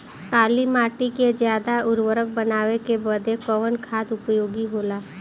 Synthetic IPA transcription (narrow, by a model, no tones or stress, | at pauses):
kaːlimaːʈiked͡ʒjaːd̪aʊɾwəɾək̚bənaːʋekebəd̪ekɔʋənkʰaːd̪ʊpjoːɡiɦoːlaː